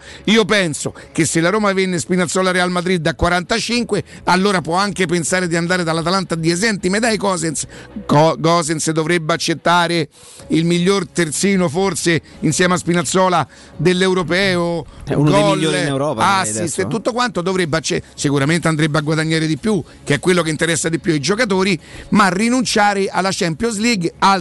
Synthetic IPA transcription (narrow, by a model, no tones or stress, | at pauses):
iːopɛnso̰kesːelːaɾoːmavenːespinat̪sːɔːlaɾealmad̪ɾid̪ːakwaɾant̪at͡ʃiŋkwe | alːoːɾapwɔaŋkepensaːɾed̪iand̪aːɾed̪alːat̪alant̪ad̪iezɛnt̪imed̪ajkɔzenskɔɡɔzensd̪ovɾebːeat͡ʃːet̪ːaːɾe | ilmiʎːort̪ert̪siːnofort̪se | insjɛːmeaspinat̪sɔːla | d̪elːewɾopɛːo̰ɡɔilːoewɾɔːpaasːist̪oet̪ːut̪ːokwant̪od̪ovɾebːeat͡ʃːesikuɾament̪eand̪ɾebːeaɡwad̪aɲːaːɾed̪ipju | k̟eɛkːwelːokeint̪eɾɛsːad̪ipjuaid͡ʒokat̪̬oːɾimarːinunt͡ʃaːɾeʔalːat͡ʃɛmpjɔnz̬liɡa